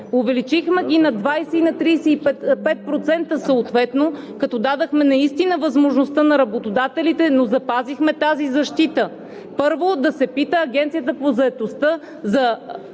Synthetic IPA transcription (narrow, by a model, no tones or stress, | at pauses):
ovɛlit͡ʃixmɛɡʲinɐd̪vajsɛinɐt̪ɾijsɛipɛpɛt̪̚pɾot̪sɛnt̪əsɐot̪vɛt̪no | kɐt̪ɔd̪ad̪əxmɛnɐist̪inəvɐzmoʒnost̪ənɐɾɐbot̪od̪at̪ɛlit̪ɛnozɐpazixmɛt̪azizɐʃt̪it̪ə | pɤɾvod̪ɐsɛpit̪əːɡɛnt̪sijət̪̬əpozɐɛt̪ost̪ə | zɐ